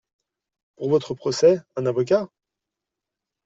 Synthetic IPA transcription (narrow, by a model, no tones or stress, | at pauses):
puʁvɔt̪χəpχɔsɛɛ̃navɔk̬ʲa